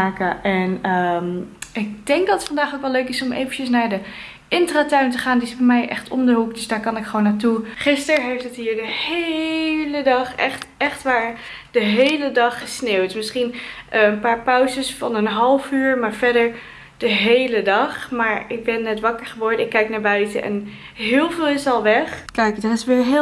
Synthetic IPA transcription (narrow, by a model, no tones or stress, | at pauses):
aːkəʔɛnə | ɪk̚dɛŋk̚dɑtətfɑndaːχokʋɛløɥkɪsɔmḛjvəncəsnaːɹdə | ʔɪntraːtœɥntəχaːndiɪsfɛmɛjʔɛ̰χtʰɔ̰mdəɦukdɵsdaːɹkɑnɪkχəʋownːaːɹtuχɪstəɹɦejftətɦiːɹdəhelədɑχɛ̰χtɛχtʋaːɹ | d̥əɦejlədɑχəsneːwtmɪsχinʔənpaːɹpœwzəsfɑnənɦɑlˠfyːɹmaːɹvɛɹdəɹ | d̥əɦejlədɑχmaːɹɪk̚bɛnːɛtʋɑkəɹχəʋɔɹdəɪkːɛjknaːɹbœɥtə̰ʔɛ̰n | ɦɪːlˠvɪːlˠɪsɑlˠʋɛχkɛjkdɑtɪsʋɪːɹɦ